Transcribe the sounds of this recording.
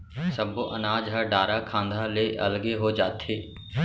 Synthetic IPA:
səboʔɐnaːd͡ʒɦəɖaːɾakʰãːnd̪ʱaleʔɐ̰lɡeɦod͡ʒaːt̪ɦeː

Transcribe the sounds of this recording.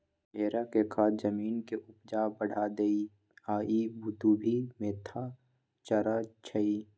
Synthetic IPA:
eːɾakekʰaːt̪d͡ʒɐmiːnkeʔʊpd͡ʒaːbəɽ̤ad̪ei | aːibʊt̪uːbʱimẽt̪ʰa | t͡ʃɐɾat͡ʃʰəiː

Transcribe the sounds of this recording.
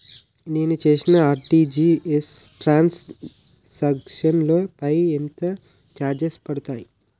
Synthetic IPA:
neːnut͡ʃeːsinɐaːɾʈiːd͡ʒiːesʈɾaːns | sɐkkʂɐnlo̞ːpɐjent̪ɐ | t͡ʃaːɾd͡ʒɐspɐɽɐt̪aːji

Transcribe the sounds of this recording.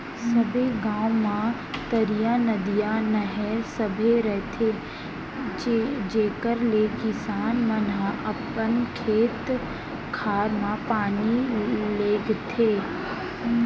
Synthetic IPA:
sɐbʱeɡãːwmã | t̪ɐɾijãnɐd̪ijãnɐɦɛɾsɐbʱeɾəɦt̪ʰe | d͡ʒeːkəɾlekɪsaːnmɐnãʔɐpənkʰeːt̪ | kʰaːɾmãpaːnileːɡt̪ʰeː

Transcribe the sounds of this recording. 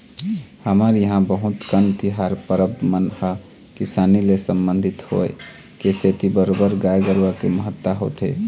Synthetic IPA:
həməɾjəɦãbəɦut̪kənt̪iɦaɾpəɾəbmənhə | kisanilesəmbənd̪ʱit̪ho̰e | keset̪ibəɾobəɾɡajɡəɾʋəkeməɦət̪ːaɦo̰t̪e

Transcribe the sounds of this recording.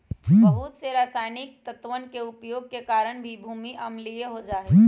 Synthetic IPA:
bəɦʊt̪seɾaːsaːɪnɪk̚t̪ət̪ʋənkeʊpjoːɡ̚kekaːɾəɽ̃bʱibʱuːmiʔɐmlieɦod͡ʒaːɦeː

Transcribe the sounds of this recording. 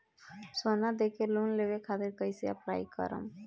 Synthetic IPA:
sonad̪ekelunlebekʰat̪ɪɾkəjseə̰pɾa̰ːjkə̰ɾə̰m

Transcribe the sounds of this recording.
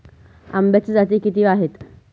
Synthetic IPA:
a̰mbjat͡ɕid͡zat̪iːkit̪iːaɦet̪

